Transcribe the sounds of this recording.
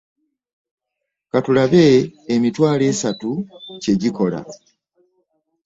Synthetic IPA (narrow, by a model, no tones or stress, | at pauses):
katulaβe̞ːmitwaːle̞ːsatuce̞ɟiko̞la̰